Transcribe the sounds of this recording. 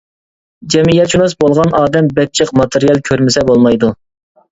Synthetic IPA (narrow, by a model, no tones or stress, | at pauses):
d͡ʒɛmijɛt̪t͡ʃʰunɑsbolˠʁɑnʔɑːd̪ɛmbɛk̚ʲt͡ʃʰəqmɑt̪ʰeɾijɛlˠkʲʰøɾmɪsɛbolˠmɑjd̪u